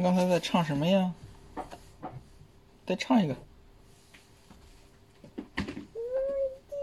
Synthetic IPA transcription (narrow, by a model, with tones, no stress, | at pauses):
kɑ˥ŋt͡sʰɪt͡sa˥˧ɪʈ͡ʂʰɑ˥˩ŋʂə˧˥nmə˧jɑ˥˩ | t͡sa˥˩ɪʈ͡ʂʰɑ˥˩ŋi˧˥ɡə˧